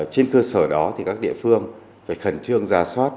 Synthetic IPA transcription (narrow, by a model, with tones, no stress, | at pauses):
t͡ɕe˧nkəː˧səː˧˩ɗɔ˨˦t̪ʰi˨˩kaː˦˥k̚ɗḭ˧˨əfɨ˧əŋ | faː˧˩jxə˧˩nt͡ɕɨ˧əŋzaː˨˩swaː˦˥t̚